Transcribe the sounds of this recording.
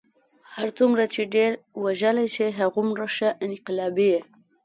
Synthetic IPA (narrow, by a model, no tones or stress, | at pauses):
haɾt͡sumɾat͡ʃeɖeɾwaʒəlajt͡ʃeɦaɣumɾaʃaʔɪnqɪlɑbije